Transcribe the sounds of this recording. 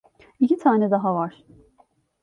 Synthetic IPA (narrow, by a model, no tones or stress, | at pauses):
icit̪ʰaːnɛd̪aɦavaɾ̥